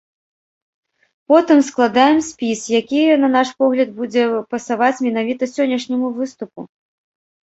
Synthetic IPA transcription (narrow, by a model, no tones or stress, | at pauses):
pɔt̪ɨmsklˠad̪ajɛmsʲpʲisjakʲijɛnɐn̪aʂpɔɣlʲɐd̪̚bud͡zʲɛpɐsavat͡sʲmʲɛn̪avʲit̪ɐsʲɔnʲːɐʂnʲɐmuvɨst̪upu